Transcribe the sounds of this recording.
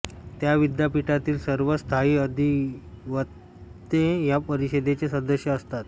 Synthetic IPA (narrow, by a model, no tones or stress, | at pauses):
t̪jaʋid̪japiʈat̪iːlsəɾʋəst̪ʰaiːəd̪ʱiʋət̪ː | ẽjapəɾiɕed̪et͡ɕesə̃nd̪əɕjəːst̪at̪